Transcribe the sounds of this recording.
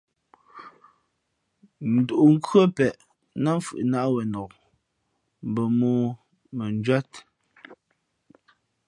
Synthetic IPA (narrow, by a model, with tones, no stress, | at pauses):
n̩˨du˨ʔu˨ŋ̩˦kɰə˦pɛ˨ʔ | na˦fɯ̰˨ʔna˦ʔwɛ˨nɔ˨k | m˨bə˨moː˦ | mə˨n˦d͡ʒwa˦t